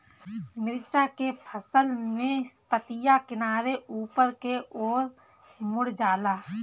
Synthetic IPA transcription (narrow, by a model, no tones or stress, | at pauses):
mɪɾt͡ʃakepʰəsəlmẽspət̪ɪjakɪnaːɾeuːpəɾkeoːɾ | mʊɽd͡ʒaːlaː